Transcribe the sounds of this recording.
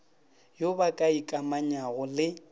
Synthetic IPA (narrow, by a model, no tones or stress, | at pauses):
jobakʼaikʼamaɲaɣʊlɪ